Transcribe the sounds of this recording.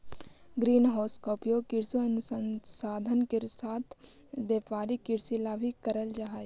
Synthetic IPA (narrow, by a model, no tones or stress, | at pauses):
ɡɾiːnɦɔːskoːpijokɪɾsiənʊsənsaːd̪ʱənkeɾsaːt̪ʰbjeːpaːɾikɪɾsilabʱikəɾəld͡ʒaɦaːj